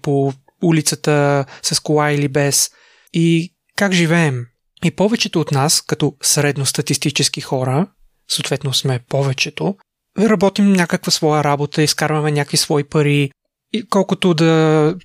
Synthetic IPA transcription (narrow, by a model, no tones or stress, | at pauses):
po | ulit̪sət̪əsɐskolˠailibɛs | i | kakʒivɛːm | ipɔvɛt͡ʃɛt̪oːt̪naskɐt̪ɔsɾɛd̪nost̪ɐt̪ist̪it͡ʃɛsk̟ixɔɾə | soot̪vɛt̪nosmɛpɔvɛt͡ʃɛt̪o | ɾɐbɔt̪imnʲakəkvəsvɔjəɾabot̪əiskaɾvɐmɛnʲakvisvɔipɐɾi | ikɔlˠkʊt̪od̪ɐ